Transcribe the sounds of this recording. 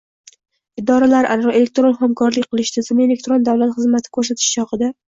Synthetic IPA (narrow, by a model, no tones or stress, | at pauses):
ɪd̪ɒɾalaɾʔaɾɾɒʔe̞le̞k̚t̪ɾo̞nχamkʰɒɾlɪkʲqʰɨlˠɪʃt̪asɪme̞le̞k̚t̪ɾo̞nd̪awlat̪χɨzmat̪ʰɪ̥kʰɵɾs̬at̪ʰɪ̥ʃt͡ʃʰɒqɨd̪a